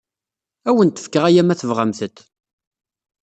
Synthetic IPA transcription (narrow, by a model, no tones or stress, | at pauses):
æwənt̪ːə̥fkːəʁæjæmæθəvʁamθət̪ː